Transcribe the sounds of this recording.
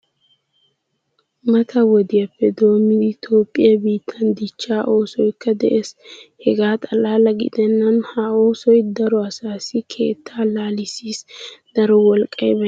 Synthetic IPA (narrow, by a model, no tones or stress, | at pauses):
mɐt̪ʰɐwɔd̪ɪjɐpːɛd̪o̞ːmːɪd̪ɪt̪o̞ːpʼːɪjɐbiːt̪ʰːɐnd̪ɪt͡ʃːaːʔo̞ːsɔjkːɐd̪ɛʔeːshɛɡaːt̪ʼɐlaːlɐɡɪ̰d̪ɛnːɐnhao̞ːsɔjd̪ɐɾɔɐsaːsɪkʰe̞̰ːt̪ʰːaːlaːlɪsiːsd̪̥ɐɾɔwɔlkʼːɐjbɐ